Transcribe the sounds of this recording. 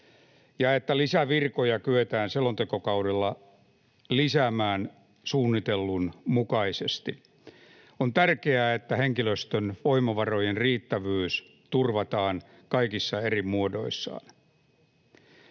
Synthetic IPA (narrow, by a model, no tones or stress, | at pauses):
jɑet̪ːælisæʋirkojɑkyøt̪æːnselont̪ekokɑudelːɑ | lisæːmæːn | suːnːit̪elːunmukɑisest̪i | ont̪ærkeæːet̪ːæheŋkiløst̪ønʋoimɑʋɑrojenriːt̪ːæʋyːs | t̪urʋɑt̪ɑːn | kɑikisːɑerimuodo̞̰isːɑ̰ːn